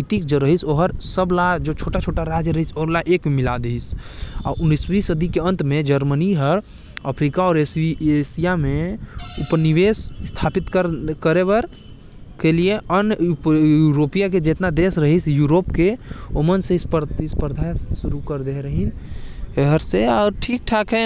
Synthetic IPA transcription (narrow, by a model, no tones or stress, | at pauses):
it̪ik̚d͡ʒoɾəɦisoːɦəɾsəblad͡ʒot͡ʃʰoːʈat͡ʃʰoːʈaɾad͡ʒjəɾəɦisoɾlaʔeːkmemɪla̰d̪eɦisa̰ːʊnːisbiːsəd̪ʱikeə̃nt̪mẽd͡ʒəɾməniɦəɾ | əpʰɾikaɔːɾesiesijamẽupniʋesst̪ʰaːpɪt̪kəɾkəɾebəɾ | kelieʔənpjuɾoːpijak̬ed͡ʒet̪nad̪eːsɾəɦisjuːɾoːpkeomənsespəɾt̪ispəɾd̪ʱasuɾukəɾd̪eɾəɦineɦəɾseaːɾʈʰiːk̚ʈʰakɦɛ